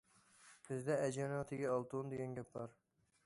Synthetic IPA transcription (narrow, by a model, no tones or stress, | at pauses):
bʰɪzd̪ɛæd͡ʒɑnɑt̪ʰɪɡʲɛɑlˠt̪ʰund̪eɡʲɛnɡʲɛp̚bɑɾ